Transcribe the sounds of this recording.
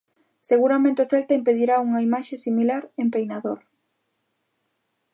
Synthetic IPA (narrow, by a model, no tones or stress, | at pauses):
seɣuɾamẽnt̪eʊθelt̪aimpeðiɾauŋaimaʃesimilaɾempejnaðoɾ